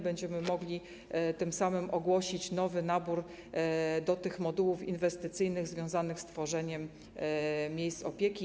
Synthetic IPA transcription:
bɛɲd͡ʑɛmɘmɔɡlʲi | t̪ɘmsamɘmʔɔɡwɔɕit͡ɕnɔvɘnabuɾ | d̪ɔt̪ɘxmɔd̪uwufḭnvɛst̪ɘt̪sɘjnɘɣzvʲjɔ̃w̃zanɘxst̪fɔʐɛɲɛmːʲ | jejst̪sɔpʲjekʲi

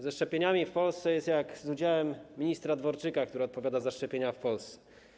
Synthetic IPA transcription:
zɛʂt͡ʂɛpʲjeɲamʲifpɔlst̪sɛjɛst̪jakzud͡ʑawɛmʲːiɲist̪ɾad̪vɔɾt͡ʂɘkak̚t̪uɾɘɔt̪pɔvʲjad̪azaʂt͡ʂɛpʲjeɲafpɔlst̪sɛ̥

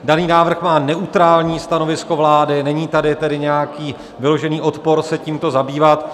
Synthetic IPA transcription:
daniːnaːvr̩xmaːnɛʔut̪ɾaːlɲiːst̪ano̞vɪsko̞vlaːdɪnɛɲiːt̪adɪt̪ɛdɪɲɛjakiː | vɪlo̞ʒɛniːʔo̞t̪po̞ɾsɛciːmt̪o̞zabiːvat̪

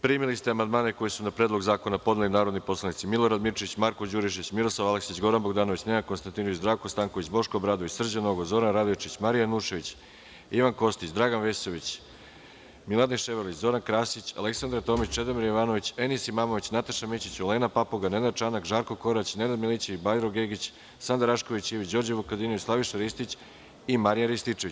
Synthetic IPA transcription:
pɾimilist̪eamand̪maːneko̞jesunapɾeːd̪lˠo̞ɡzaːko̞napo̞d̪nelinaːɾo̞d̪nipo̞slanit̪similˠo̞ɾad̪miɾt͡ʃeit͡ɕmaɾkod͡ʑuɾiʃeit͡ɕmiɾo̞slˠaʋaleksit͡ɕɡo̞ɾanbo̞ɡd̪aːnoit͡ɕne̞nakonst̪ant̪inoʋit͡ɕd̪ɾaːʋkost̪aŋko̞ʋit͡ɕbo̞ʃkoːbɾaːd̪o̞ʋit͡ɕsr̩d͡ʑano̞ɡozo̞ɾanɾad̪ot͡ʃit͡ɕmaɾijanuʃeʋit͡ɕ | iʋanko̞st̪it͡ɕd̪ɾaːɡanʋe̞so̞ʋit͡ɕ | milˠad̪eʃeʋeɾlit͡ɕzo̞ɾankɾaːsit͡ɕa̰leksand̪ɾaɾt̪o̞ːmit͡ɕt͡ʃe̞d̪emiɾjiʋaːno̞ʋit͡ɕe̞nisimaːmoʋit͡ɕnat̪aʃamit͡ɕit͡ɕoleːnapapoɡane̞nad̪̚t͡ʃanakʒaːɾko̞ko̞ɾat͡ɕne̞nad̪milit͡ɕibajɾoɡeɡit͡ɕ | sand̪aɾaʃko̞ʋit͡ɕiʋid͡ʑo̞ɾd͡ʑeβukad̪inoit͡ɕslˠaʋiʃaɾist̪it͡ɕ | imaɾijaɾist̪it͡ʂe̞ʋit͡ɕ

